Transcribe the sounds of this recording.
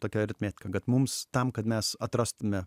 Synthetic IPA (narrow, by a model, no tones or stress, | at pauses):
t̪oːkʲɛɾʲɪt̪ʲmʲæːtʲɪ̥kɐɡɐt̪mʊmst̪ɐmkɐt̪mʲɛsɐt̪ɾɐst̪ʊmʲɛ